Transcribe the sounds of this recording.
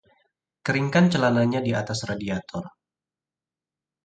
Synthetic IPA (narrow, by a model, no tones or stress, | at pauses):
kəɾiŋkant͡ʃəlanaɲadiat̪asradiat̪ɔr